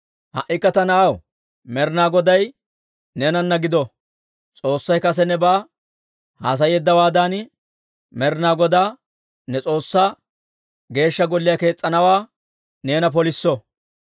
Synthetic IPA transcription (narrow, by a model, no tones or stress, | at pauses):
hɐ̰ʔɪkːɐt̪ɐnɐʔɐw | mɛɾnaːɡɔd̪ɐj | neːnɐnːɐɡɪd̪ɔ | t͡sʼo̞ːsːɐjkɐs̬ɛnɛbaː | ha̰ːs̬ɐjɛd̪ːɐwaːd̪aːnɪ | mɛɾnaːɡɔd̪aː | nɛt͡sʼo̞ːsːaː | ɡe̞ːʃːɐɡɔlːɪjɐke̞ːt͡sʼːɐnɐwaː | ne̞ːnɐp̬ɔlɪsːɔ